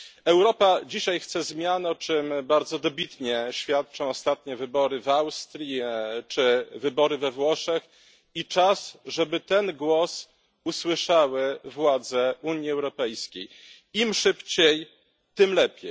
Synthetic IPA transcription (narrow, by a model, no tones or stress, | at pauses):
ɛwɾɔpad͡ʑiɕajxt̪sɛzmʲjanɔt͡ʂɘmbaɾd̪zɔd̪ɔbʲit̪ɲɛɕfʲjat̪̚t͡ʂɔ̃w̃ɔst̪at̪ɲɛvɘbɔɾɘvawst̪ɾʲjit͡ʂɘvɘbɔɾɘvɛvwɔʂɛx | it͡ʂasʐɛbɘt̪ɛnɡwɔs | uswɘʂawɘvwad̪zɛuɲjiɛwɾɔpɛjskʲej | imʂɘpt͡ɕej | t̪ɘmlɛpʲjej